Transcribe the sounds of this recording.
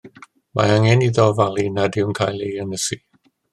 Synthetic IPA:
ma̰aŋɛniðɔvalˠinadɪwnkʰaːjlejənəsi

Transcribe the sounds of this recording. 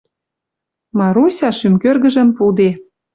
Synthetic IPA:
mɑɾusʲɑʃymkørɣə̆ʒə̆mpud̪e

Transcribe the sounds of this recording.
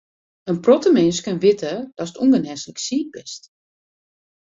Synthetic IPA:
ənprɔtəmɪnskənʋɪtəd̥ɔsətuŋɡənɛsləksiːt̚bɪst

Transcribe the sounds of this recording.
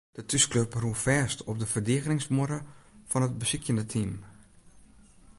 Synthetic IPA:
d̥ətʰyskløpruəfɛstʰɔp̚dəfərdiəɣənɪŋsmʊɾəfɔnət̚bəsikjəndətʰim

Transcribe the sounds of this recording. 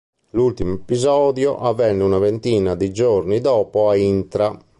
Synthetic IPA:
lult̪imepizɔːd̪jɔʔavːɛnːɛunavent̪iːnad̪id͡ʒoɾnid̪ɔːpɔaint̪ɾa

